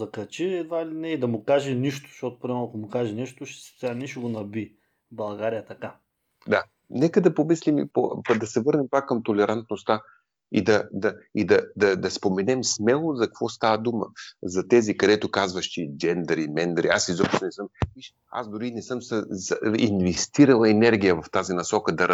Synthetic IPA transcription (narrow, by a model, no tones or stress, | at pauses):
zɐkɐt͡ʃiɛd̪vailid̪nɛid̪ɐmʊkaʒɛniʃt̪ʊ̥ʃɔt̪ʊ̥pɾʲimɛnɐkomʊkaʒɛnɛʃt̪ʊʃɛ̥st̪anɛʃɛɡonɐbi | bɐlˠɡaɾijət̪ɐka | d̪a | nɛkəd̪ɐpomislimipo̰pd̪ɐsɛvɤɾnɛmpakːɐmt̪olɛɾant̪nost̪a | id̪ɐd̪ɐid̪ɐd̪ɐd̪ɐspomɛnɛmsmɛlˠozɐkkvɔst̪avəd̪umə̰zɐt̪ɛzikɐd̪ɛt̪okazvɐʃt̪id͡ʒɛnd̪əɾimɛnd̪ɾiasizɔpʃt̪onɛsɤmviʃ | a̰sd̪ʊɾinɛsɤmsəḭnvɛst̪iɾɐlˠɐɛnɛɾɡ̟ijəvɐft̪azinɐsɔkəd̪ɐɾ